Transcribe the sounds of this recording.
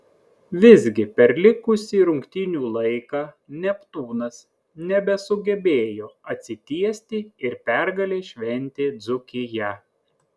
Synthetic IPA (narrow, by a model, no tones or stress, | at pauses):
ʋʲɪzʲɡʲɪpʲɛɾlʲɪkʊsʲiːɾʊŋʲkt̪ʲɪnʲuːlˠɐɪkɑː | nʲɛpt̪uːnɐs | nʲɛbʲɛsʊɡʲɛbʲeːjoːɐt̪ʲsʲɪt̪ʲiɛsʲt̪ʲɪɪɾpʲɛɾɡɐlʲeːʃʲʋʲɛnʲt̪ʲeːd̪zʊkʲɪjɛ